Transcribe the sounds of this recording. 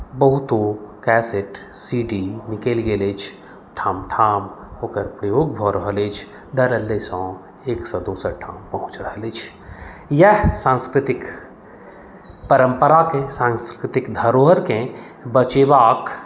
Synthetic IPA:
bəɦut̪okɛːseʈ | siɖinikelɡelet͡ʃʰ | ʈʰãːmʈʰaːmoːkəɾpɾəjoːɡ̚bʱɔɾəɦəlet͡ʃʰ | d̪əɾəlːesɔ̃ | eːksɔ̃d̪oːsəɾʈʰãːmpəɦũt͡ʃɾəɦəlet͡ʃʰ | jəɦsãnskɾɪt̪ɪk | pəɾəmpəɾakẽsãŋskɾɾɪt̪ɪkd̪ʱəɾoɦəɾkẽ | bət͡ʃebaːk

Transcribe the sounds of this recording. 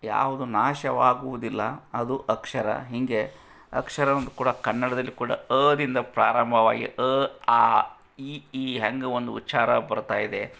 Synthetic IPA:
ja̰ːʋud̪unaːʃɐʋaːɡuʋud̪ilːɐɐd̪uʔɐkʂɐɾɐ̰ɦiŋɡe̞ | ɐkʂɐɾɐnɐnd̪ukuːɽɐkɐnːɐɽɐd̪ɐlːikuːɽɐ̰əːd̪ind̪ɐpɾaːɾɐmbʱɐʋa̰ːɡḭʔəaː | iiːɦɐŋɡuond̪uutːʃaːɾɐbɐɾt̪aːjid̪e̞

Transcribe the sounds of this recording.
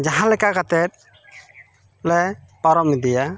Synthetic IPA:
d͡ʒaɦãlɛkakat̪ɛt̪̚ | lɛpɔɾɔmid̪ija

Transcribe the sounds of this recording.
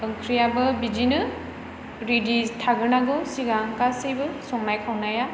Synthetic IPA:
ɯŋkʰɾijabɯbid͡ʒinɯ | ɾiditʰaɡɯɾnaɡɯwsiɡakasejbɯsɔŋnajkʰawnaja

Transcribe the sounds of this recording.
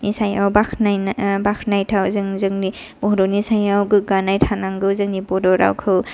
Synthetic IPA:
nisajawbakʰnajnbakʰnajtʰawzɯŋzɯŋni | b̥ɔɦɾɔnisajawɡɯɡanajtʰanaŋɡɯwzɯŋnibɔdɔɾa̰wkʰɯw

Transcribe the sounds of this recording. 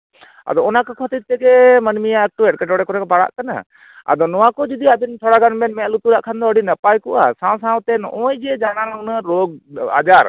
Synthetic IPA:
a̰d̪ɔɔnakəkʰɔt̪it̪ɛɡɛmənmijaɛk̚ʈuɛʈ̚kɛʈɔɽɛkɔɾɛkɔbaɽa̰ʔkana̰ | a̰d̪ɔnɔwakɔd͡ʒid̪iab̪int̪ʰɔɽaɡanbɛnmɛ̃ʔlut̪uɾaʔkʰand̪ɔəɖinəpajkɔʔa̰sãw̃sãw̃t̪ɛnɔ̰ʔɔjd͡ʒɛd͡ʒanalunaɾɔɡ̚a̰d͡ʒaɾ

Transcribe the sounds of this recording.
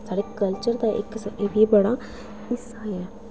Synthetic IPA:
saːɽekəlt͡ʃəɾd̪aʔɪ̰kːseʋibəɽaː | ɪsaɛː

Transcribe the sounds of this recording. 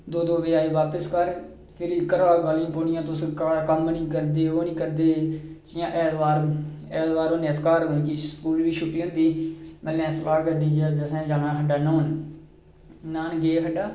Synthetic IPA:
d̪oːd̪oːʋeːaːiːʋaːpəskəɾ | pʰɪɾɪkːəɾaːlɡaːlɪãːpoːɽɪjãːt̪ʊskːkəmnĩːkəɾd̪eːoːnĩːkəɾd̪eːt͡ʃɪjãːʔɛːlʋaːɾɛːlʋaːɾoːnɛːskaːɾonkiskuːlʋiːt͡ʃʰʊpiːõːnd̪iːməlɛ̃ːslaːɡəɖiːd͡ʒaːd͡ʒəsɛ̃ːd͡ʒaːnaːɦəɖaːnõːn | naːnɡeːɦəɖaː

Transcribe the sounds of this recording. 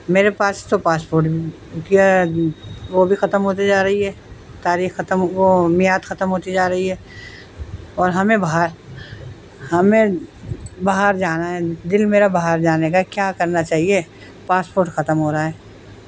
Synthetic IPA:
meːɾepaːst̪opaːspoːɾʈbʱi | kia | ʋobʱixɐt̪əmɦoːt̪̬id͡ʒaːɾɐɦiɦɛːt̪aːɾiːxːɐt̪əmʋomɪjaːt̪xɐt̪əmɦoːt̪id͡ʒaːɾɐɦiɦɛː | ɔːɾɦɐmẽbaɦaɾ | hɐmẽ | baɦaɾd͡ʒaːnaɦɛd̪ɪlmeːɾabɐɦaɾd͡ʒaːnekakjaːkɐɾnat͡ʃaːɦie | paːspoːɾʈxɐt̪əmɦoːɾaɦɛː

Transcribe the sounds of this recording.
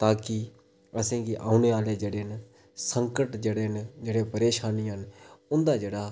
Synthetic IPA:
t̪aːkɪ | əsẽːɡiːʔaːuneːaːleːd͡ʒeːɽeːn | səŋkəʈd͡ʒeːɽeːnd͡ʒeːɽeːpəɾeːʃaːniːɦənʊnd̪aːd͡ʒeːɽaː

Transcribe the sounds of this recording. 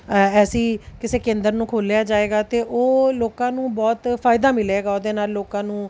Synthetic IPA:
ɛːsiːkɪseːkẽːnd̪əɾnũːkʰoːlejaːd͡ʒaːeːɡaːt̪eːʔoːloːkãːnũːbɔːt̪pʰaːɪd̪aːmɪleːɡaːoːd̪eːnaːlːoːkãːnũː

